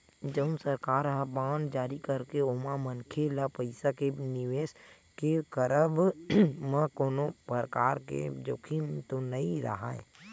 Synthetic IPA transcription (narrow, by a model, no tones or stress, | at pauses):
d͡ʒəʊnsəɾkaːɾɦabãːnd͡ʒaːɾikəɾkeomãmənkʰelapəɪsakenɪʋeːs | kekəɾəbmə̃koːnopəɾkaːɾkḛd͡ʒoːkʰimt̪onəĩɾə̰ɦa̰ːḛ